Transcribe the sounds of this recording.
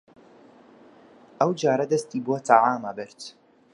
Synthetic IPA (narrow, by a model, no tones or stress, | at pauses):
ʔawd͡ʒaːɾˤad̪ast̪ibwat̪aʕaːmabɪɾt̪